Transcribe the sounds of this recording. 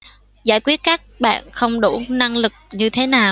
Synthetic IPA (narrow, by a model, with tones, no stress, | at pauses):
zaː˧˩jkwi˦˥ət̚kaː˦˥k̚ɓa̰ː˧˨nxə˧wŋ͡mɗu˧˩na˧ŋlɨ˨˩k̚ɲɨ˧t̪ʰe˨˦naː˨˩w